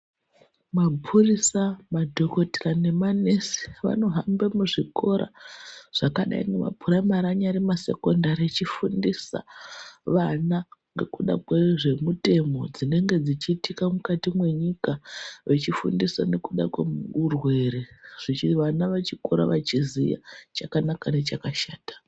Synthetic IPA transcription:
mapʰurisamadʱo̞ko̞ti̥rane̞manesi̥ʋa̰no̞ɦambemuʐiko̞ɾa̰ʐ̥akaɗa̰ḭnɡema̰pʰuɾamaɾaɲaɾimase̞̰ko̞ndaɾiet͡ʃifundisa̰ʋanaŋɡe̞̰kuɗa̰kweʐe̞mute̞mo̞d͡zine̞ŋɡe̞d͡zit͡ʃiːtikamukatimwe̞ɲikaʋet͡ʃifṵndisane̞kuɗa̰kweurwe̞ɾe̞ʐ̥iiʋanaʋat͡ʃiko̞ɾa̰ʋat͡ʃizija̰t͡ʃakanakane̞t͡ʃakaʃaːtḁ

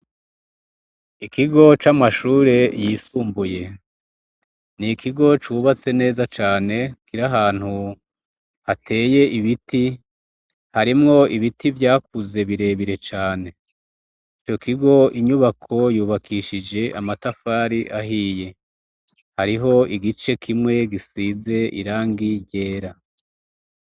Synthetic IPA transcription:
ikiɡo̞t͡ʃamaʃuːɾe̞jisuːmbuje̞ | nikʰiɡo̞t͡ʃuːβat͡se̞ne̞ːzat͡ʃaːne̞kiɾaɦaːn̥hu | hatʰe̞ːje̞ʔiβiti | haɾimŋo̞iβitivjaːk̚uze̞βiɾe̞ːβiɾe̞t͡ʃaːne̞ | it͡ʃo̞kiɡo̞ʔiɲuβakʰo̞juːβakʰiʃid͡ʒe̞ʔamatafaːɾiʔaɦiːje̞ | haɾiɦo̞iɡit͡ʃe̞kʰimŋe̞ɡisiːze̞ʔḭɾaːŋɡiɟe̞ːɾa

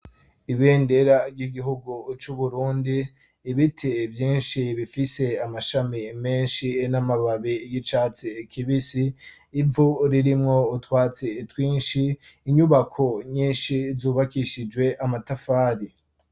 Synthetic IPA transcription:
iβeːndeɾabɟiɡiɦuɡut͡ʃuβuɾuːndiː | βitʰevjiːnʃiβifise̞amaʃamime̞ːnʃinamaβaβijit͡ʃaːt͡sikʰiβisiː | vuɾiɾimŋo̞utwaːt͡setwiːnʃiː | ɲuβakʰoɲiːnʃizuːβakiʃid͡ʒɡwe̞ʔamatafaːɾi

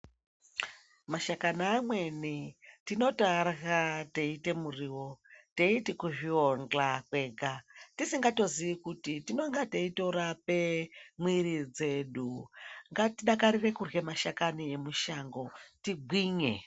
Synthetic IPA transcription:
maʃakanaːmwe̞nitino̞tarɣateite̞muriːwo̞te̞itikuʐiond͡ɮakwe̞ːɡatisiŋɡato̞ziʋikutitino̞ŋɡateito̞ɾape̞mwirid͡ze̞ɗuŋɡatiɗakaɾire̞kurɣe̞maʃakanie̞muʃaŋɡo̞tiɡʱwiːɲe

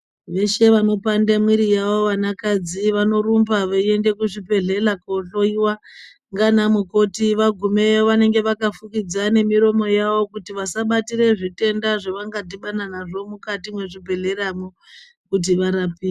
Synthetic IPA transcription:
ʋe̞ʃe̞ʋano̞pandemwiɾijaʋo̞ʋanakad͡ziʋano̞ɾumbaʋaie̞nde̞kuʐipe̞ɮe̞lakoɬo̞iwa | ŋɡanamuko̞tiʋaɡʱume̞oʋane̞ŋɡe̞ʋakafukid͡zane̞miɾo̞mo̞jaʋo̞kutiʋasaɓatire̞ʐite̞ndaʐeʋaŋɡadiɓananaʐo̞mukatimwe̞ʐibʱe̞ɮe̞ramo | kut̬iʋaɾapiː

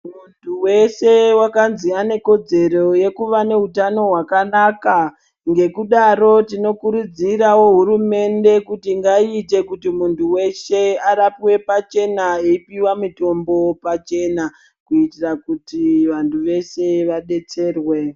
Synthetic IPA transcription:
muntʰuwe̞se̞wakanziane̞ko̞d͡ze̞ro̞je̞kuʋane̞ɦutano̞ɦwakanaka | ŋɡe̞kuɗaɾo̞tino̞kuɾud͡ziɾawo̞ɦuɾume̞nde̞kutiŋɡaite̞kutimuntuwe̞ʃe̞aɾapiwe̞pat͡ʃe̞naeipiwamito̞mbo̞pat͡ʃe̞na | kuitirakutiʋantʰuʋe̞se̞ʋaɗe̞t͡se̞ːrwe̞

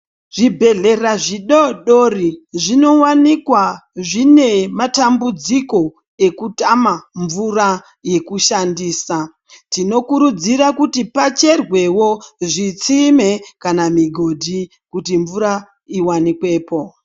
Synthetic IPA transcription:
ʐ̥ibʱe̞ɮe̞raʐiɗoɗoriʐino̞wanikwaʐine̞matambud͡ziko̞ | e̞kutamaɱvura | je̞kuʃandiːsa | tino̞kuɾud͡ziɾakutipat͡ʃe̞rwe̞wo̞ʐit͡simekanamiɡʱo̞dʱi | kutiɱvuɾa | iwanikwe̞ːpo̞

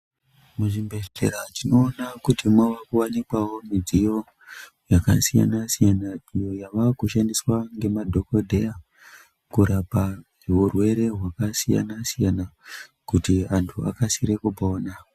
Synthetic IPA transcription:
muʐimbetḛɾatino̞ːnakutimwaʋakuwanikwawo̞mid͡zijo̞ | jaka̰sija̰nasijanaijo̞jaʋakuʃandiswaŋɡe̞madʱo̞ko̞dʱe̞ja | kuɾapa | eurwe̞ɾe̞ɦwakasija̰nasijana | kutiantʰua̰kasiɾe̞kupaoːna

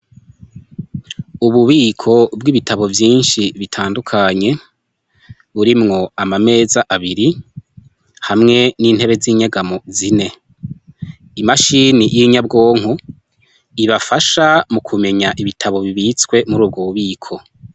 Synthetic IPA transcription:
uβuβiːkʰo̞bɡiβitʰaβo̞vjiːnʃiβitʰaːndukʰaɲe̞ | βuɾimŋo̞amame̞ːzaʔaβiɾi | hamŋe̞niːn̥he̞βe̞ziːɲeɡamo̞zine̞ | imaʃiːnijʔiɲab̚ɡo̞ːŋ̥u | iβafaʃamukʰume̞ɲaʔiβitʰaβo̞βiβit͡skwe̞muɾuːb̚ɡouβiːkʰo̞

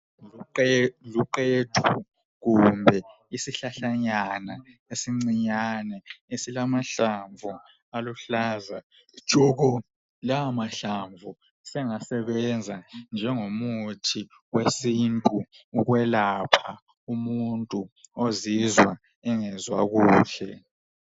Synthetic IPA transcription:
luǃetʰu | ɣumbʱɛ | isiɬaɬaɲana | esiŋ͡ǀiɲanɛesilamaɬaɱvʱu | aluɬaːzḁ | t͡ʃʼɔɣɔ | laamaɬaɱvʱu | sɛŋasɛβɛnd͡zʱand͡ʒʱɛŋomutʰi | wesintʼuː | ɣwɛlapʰa | umuntʼuozizwa | ɛŋɛzwa̰ɣuːɬɛ̰

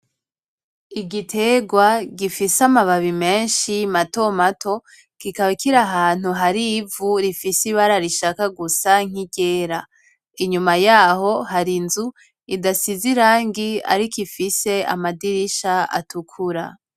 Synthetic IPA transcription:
iɡitʰe̞ɡwaɡifisamaβaβime̞ːnʃimato̞matʰo̞ | kikaβakiɾaɦaːn̥huɦaɾivuɾifisiβaɾaɾiʃakaɡusaŋ̥iɟeːɾa | iɲumajaːho̞haɾinzu | idasiziɾaːŋɡia̰ɾikifise̞a̰madiɾiʃaa̰tukʰuɾa̰

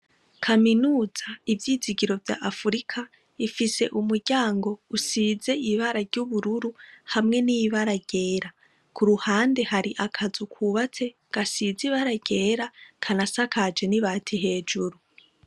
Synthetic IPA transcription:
kʰaminuːz̥aivjiːziɡiɾo̞vja̰ʔafuɾikʰa | ifise̞̰ʔumuɾɟaːŋɡo̞usize̞iβaɾaɾɟuβuɾuɾuhamŋe̞niβaɾaɟ̥e̞ːɾa | kʰuɾuhaːnde̞haɾiʔakʰazukʰuːβat͡se̞ | ɡ̥asiziβaɾaɟ̥e̞ːɾakʰanasakad͡ʒe̞niβaːtʰiɦe̞ːd͡ʒuɾu

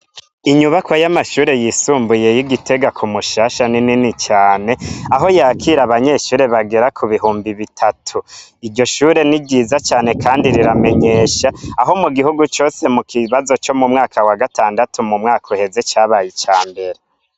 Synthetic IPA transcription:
iɲuβakwojamaʃuːɾe̞jiːsuːmbuje̞jiɡitʰe̞ɡakʰumuʃaːʃanininit͡ʃaːne̞aɦo̞jaːkʰiɾaβaɲe̞ʃuːɾe̞βaɡe̞ɾakʰuβiɦuːmbiβitʰatʰuiɟo̞ʃuːɾe̞niɟiːzat͡ʃaːne̞kʰaːndiɾiɾame̞ɲe̞ːʃaːɦo̞muɡiɦuɡut͡ʃo̞ːse̞mukʰiβazo̞t͡ʃo̞mumŋaːkawaɡataːndatumumŋaːkʰohe̞ze̞t͡ʃaːβajit͡ʃaːmbe̞ɾe

